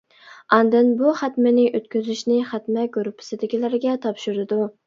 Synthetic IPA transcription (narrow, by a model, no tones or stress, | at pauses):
ɑnd̪ɨnbuχæt̪mɪnɪʔøt̪kʲyzyʃnɪχæt̪mɛɡuɾupʰːɪ̥sɪd̪ɪkʲilæɾɡʲɛt̪ʰɑpʃyɾɪd̪u